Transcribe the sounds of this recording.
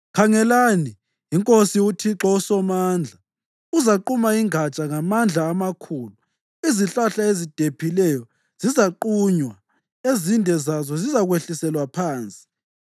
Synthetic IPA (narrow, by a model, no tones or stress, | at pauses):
kʰaŋɛlani | iŋkʼosiutʰiǁɔusɔmand͡ɮʱa | uzaǃumaiŋat͡ʃʼaŋamand͡ɮʱaːmakʰuːlu | iziɬaɬaezid̥ʱepʰilɛjɔ | z̥izaǃuɲwa | ezindʱɛzazɔzizaɣweɬisɛlwapʰaːnt͡sʼi̥